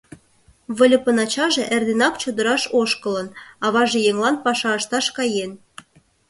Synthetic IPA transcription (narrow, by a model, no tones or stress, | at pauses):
βə̆lʲə̆pə̆nɑt͡ɕɑʒĕʔerd̪enɑkt͡ɕod̪əɾɑʃoʃkə̆lə̆nɑβɑʒĕjeŋlɑnpɑʃɑəʃt̪ɑʃkɑjen